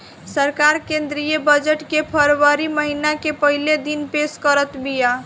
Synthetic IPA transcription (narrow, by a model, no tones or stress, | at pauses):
səɾkaɾkẽnd̪ɾijəbəd͡ʒəʈkepʰəɾwəɾiməɦinakepəɦiled̪inpeskəɾət̪bija